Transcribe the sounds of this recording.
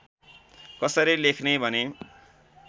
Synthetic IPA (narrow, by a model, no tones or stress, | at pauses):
kʌsʌɾilekʰnebʱʌne